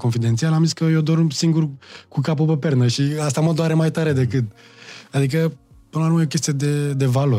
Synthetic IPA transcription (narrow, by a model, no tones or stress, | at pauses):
ko̞nfid̪e̞nt̪sialamziskəjod̪o̞rmsiŋɡurkukap̬upəpe̞rnəʃias̬t̪aməd̪oaɾe̞majt̪aɾe̞d̪e̞kɨt̪̚ad̪ik̬ə | pɨnəlauɾməjokʲe̞st̪ied̪e̞d̪e̞valo